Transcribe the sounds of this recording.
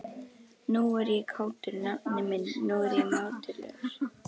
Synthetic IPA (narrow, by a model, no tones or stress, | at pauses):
nuɛɾjɛkʰaːwt̪ʏɾnanɛmɪnnuɛɾjɛmawt̪ɪlɛ̰ɣɾ̥